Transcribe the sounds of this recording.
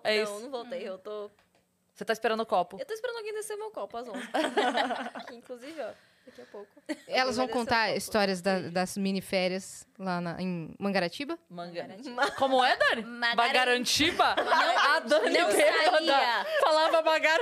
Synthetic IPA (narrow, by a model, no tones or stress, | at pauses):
ɛisvowt̪ejewt̪o | set̪aispeɾɐ̃nd̪ʊkɔpʊewt̪oispeɾɐ̃nʊɡẽd̪eseʊmewkɔpʊazõz | kɪĩkluzivɪɔ | d̪akiɐpowkʊɛlɐzvɐ̃w̃kõnt̪aɾist̪ɔɾiɐzd̪ɐd̪ɐzmĩnifɛɾiɐzlanɐ̰ḛ̃j̃mɐ̃ŋɡaɾat͡ʃibɐmɐ̃ɡkõmʊɛd̪ɐ̃nɪabaɡaɾɐ̃t͡ʃivɐad̪ɐ̃nivevɐd̪ɐfalavɐbaɡaɾ